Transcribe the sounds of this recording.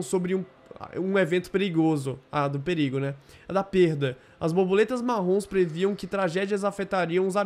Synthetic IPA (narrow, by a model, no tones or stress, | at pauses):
sobɾɪṵ̃ | ũevẽnt̪ʊ̥peɾiɡozʊad̪ʊpeɾiɡʊnɛd̪ɐpeɾd̪ɐ | ɐzbobolet̪ɐzmaɦõspɾeviɐ̃w̃kɪt̪ɾaʒɛd͡ʒiɐzafet̪aɾiɐ̃w̃ʊza